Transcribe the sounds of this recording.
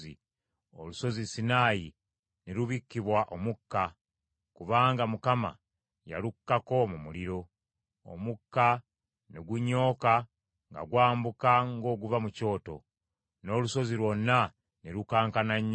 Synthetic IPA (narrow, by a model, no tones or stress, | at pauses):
ḭ | o̰luso̞zisinaːji | neɾuβikːiβwaʔomukːa | kuβaːŋɡamukama̰ | ja̰lukːako̞mumuliɾo̞ | o̰mukːa | neɡuɲːo̞ːka | ŋɡa̰ɡwaːmbukaŋɡo̞ːɡuvamuco̞ːto̞̰ | no̞ːluso̞zilwo̞nːa | neɾukaːŋkanaɲː